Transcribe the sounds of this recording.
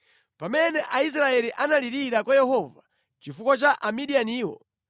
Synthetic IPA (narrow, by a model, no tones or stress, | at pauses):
pamɛnɛʔais̬ɾaɛliʔanaliɾiɾakwajɛhɔva | t͡ʃifukwɔt͡ʃaʔamiɗianiːwɔ̰